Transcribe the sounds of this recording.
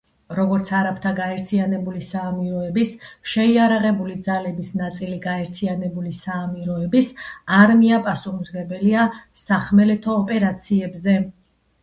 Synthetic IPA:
ɾɔɡɔɾt̪sʰaɾapʰt̪ʰaɡaɛɾt̪ʰianɛbulisaːmiɾɔɛbisʃɛiaɾaʁɛbulid̪zalɛbisnat̪sʼiliɡaɛɾt̪ʰianɛbulisaːmiɾɔɛbisaɾmiapʼasumɾɡɛbɛliasaχmɛlɛt̪ʰɔːpʼɛɾat̪sʰiɛbzɛ

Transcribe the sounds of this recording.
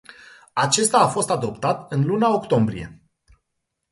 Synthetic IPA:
at͡ʃe̞st̪aːfo̞st̪ad̪o̞pt̪at̪ɨnlunao̞kt̪o̞mbɾḭje̞̰

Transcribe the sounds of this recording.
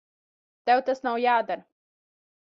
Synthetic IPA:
d̪̥awt̪asnawjaːd̪əɾ

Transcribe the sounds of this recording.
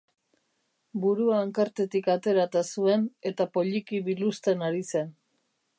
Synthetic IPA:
buɾuaːŋkaɾt̪e̞t̪ikat̪e̞ɾat̪asue̞ne̞t̪apo̞ʎikiβilust̪e̞naɾise̞n

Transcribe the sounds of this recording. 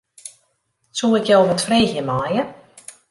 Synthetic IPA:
suːɪkjowvətfreːxjəmaːjə

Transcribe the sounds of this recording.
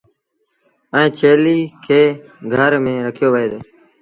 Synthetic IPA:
əẽːt͡ʃʰeːliːkʰeːɡʱəɾmẽːɾəkʰɪjoːʋəɦeːd̪oː

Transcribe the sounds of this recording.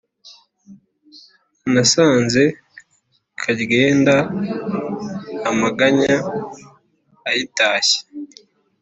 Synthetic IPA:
nasaːnze̞ | kʰaɟɡe̞ːnda | maɡaɲa | jitaːçe̥

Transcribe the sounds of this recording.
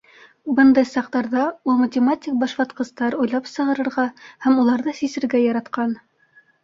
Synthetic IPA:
bɤnd̪ɑjsɑq̚t̪ɑɾðɑulˠmɐtʲɪmatʲik̚bɑʃβɑt̪qɤ̆st̪ɑɾujlˠɑpsɤ̆ʁɤ̆ɾɤ̆ɾʁɑhæmulˠɑɾðɤsisɘ̆ɾɡæjɑɾɑt̪qɑn

